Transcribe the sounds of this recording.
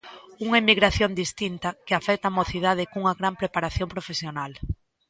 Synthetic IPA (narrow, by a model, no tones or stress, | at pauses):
uŋaemiɣɾaθjond̪ist̪int̪akeafɛk̚t̪amoθið̞að̞ɪkuŋaɣɾampɾepaɾaθjompɾofesjonal